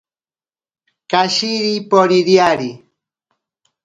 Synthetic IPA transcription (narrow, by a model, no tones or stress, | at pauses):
kaʃiɾipoɾiɾjaɾi